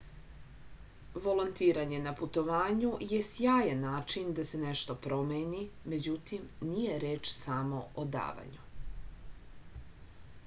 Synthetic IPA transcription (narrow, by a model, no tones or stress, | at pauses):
ʋo̞lont̪iːɾaɲe̞naput̪o̞ʋaːɲuje̞sjaːjanːaːt͡ʃind̪ase̞ne̞ʃt̪o̞pɾo̞meːnime̞d͡ʑut̪imnije̞ɾeːt͡ʃsamo̞od̪a̰ːʋa̰ɲu